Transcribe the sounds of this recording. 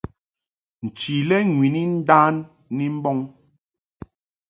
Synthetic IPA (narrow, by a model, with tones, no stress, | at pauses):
n̩˨t͡ʃi˨lɛ˦ŋwi˨ni˦n̩˦daː˦nː | i˦m̩˦bɔ˦ŋ